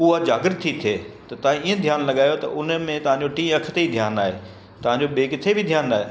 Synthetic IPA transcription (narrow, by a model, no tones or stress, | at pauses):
ʊɦad͡ʑaːɡɪɾt̪ʰːit̪ʰeːt̪ɐt̪ɐɦãiːə̃d̪ʱjaːnlɐɠaːjot̪ɐʔʊnmẽt̪ɐʋ̤ɦãɲd͡ʑoʈĩːɐkʰt̪eid̪ʱjaːnaːɦeː | t̪ɐʋ̤ãɲd͡ʑoɓeːkt̪ʰebʱɪd̪ʱjaːnaːɦe